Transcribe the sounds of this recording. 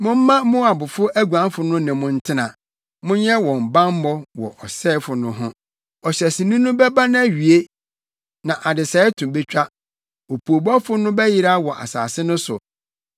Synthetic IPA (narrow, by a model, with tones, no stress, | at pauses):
mʊ̃˦m̩˦mã˦mʊ̃˦a˨bʊ˨fʊ˦æ˦ɡu˨ã˨˦m˦fʊ˨nʊ̃˦nɛ̃˨mʊ̃˦n̩˦tʰɪ˦nã˨ | mʊ̃˦ɲɛ˦wɔ̃˨m̩˨bã˦m˦mɔ˦wɔ̰˨ʔɔ˨sɛː˦fʊ˨nʊ̃˦ɦʊ̃˦ | ɔ˨ɕɛ˨sɪ˨nũ˦nʊ̃˦bɛ˦bã˦nã˦˨ɥi˨e˦ | nã˨ʔa˨dɪ˨sɛ˨˦ɛ˦tʰũ˨be˦t͡ɕᶣa˦ | o˨pʰu˨o˨bɔ˦fʊ˦nʊ̃˦bɛ˦jɪ˦ɾa˦wɔ˨ʔa̰˨sa̰ː˨sɪ˦nʊ̃˦sʊ˨